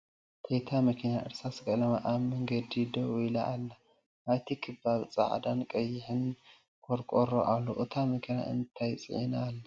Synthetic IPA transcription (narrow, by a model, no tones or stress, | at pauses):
t̪ʰet̪ʰamɐkʰinaʔɨɾsaskʼɐlɐmaʔaβmɐŋɡɐd̪id̪oɔjla̰ʔːlːɐ | ʔajt̪ʰikʰɨβaβt͡sʼa̰ʕd̪ankʼɐjːɪħɨn | kʰʼoɾkʼoɾo̰ʔalːoʔɨt̪ʰamɐkʰina̰ʔɨ̰nt̪ʰajt͡sʼɨ̰ʕinaːlːɐ